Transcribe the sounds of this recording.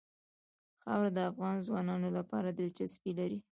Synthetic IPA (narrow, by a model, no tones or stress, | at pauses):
xɑwɾad̪əafɣɑnzwɑnɑnolapɑɾad̪əlt͡ʃaspilaɾi